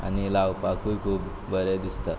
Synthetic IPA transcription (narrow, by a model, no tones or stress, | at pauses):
a̰nilawpakujkʰuːb | bəɾed̪ist̪a